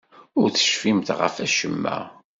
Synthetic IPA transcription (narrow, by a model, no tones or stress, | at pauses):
ʊɾθə̥ʃfimt̪ʁə̰fæʃəmːæ̰